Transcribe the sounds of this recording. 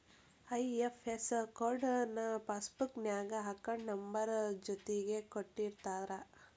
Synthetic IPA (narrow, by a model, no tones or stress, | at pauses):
ɐjefʰeskoːɾɖnɐpaːsbuknjaːɡɐɦɐkːɐɳnɐmbɐɾd͡ʒot̪eɡekoʈːiɾt̪aːd̪ɾɐ